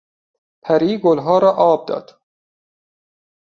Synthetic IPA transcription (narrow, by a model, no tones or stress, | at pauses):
pʰæɾiːɡolɦɒːɾɒːʔɒːb̚d̪ɒ̰ːd̪̥